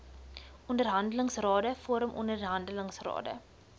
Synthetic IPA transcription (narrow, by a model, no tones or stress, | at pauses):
ʔɔndərɦɐndələŋsrɑːdəfoːɾəmʔɔ̰ndərɦɐndələŋsrɑ̰ːdə̰